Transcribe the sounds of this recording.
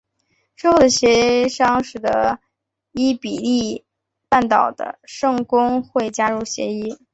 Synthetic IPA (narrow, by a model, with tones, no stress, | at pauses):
ʂ̩˥˧xo˥˩ʊd̪ə˩ɕjɛ˧˥ʂɑ˥ŋʂɻ̩˨˩d̪ə̰˦ | i˥pi˨˩li˥˧ | pa˥˩nt̪ɑ˨˩ʊd̪ə̰˦ʂɤ˥˩ŋkʊ˥ŋxwe˥˩ɪt͡ɕja˥ɻu˥˩ɕjɛ̰˧˥i˥